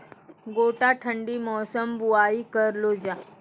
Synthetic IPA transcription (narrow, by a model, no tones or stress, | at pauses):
ɡoːʈaʈʰəɳɖimɔːsəmbuaːikəɾlod͡ʒaː